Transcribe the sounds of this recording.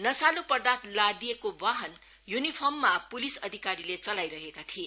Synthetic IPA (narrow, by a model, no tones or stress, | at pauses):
nʌsalupʌrd̪at̪lad̪ijekobaɦʌn | junipʰʌrmːapulisʌd̪ʱikaɾilet͡sʌlajɾʌɦekat̪ʰie